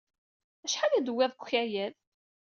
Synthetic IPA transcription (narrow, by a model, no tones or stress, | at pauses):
æʃħalæd̪əwːæðˤkʷçæjæð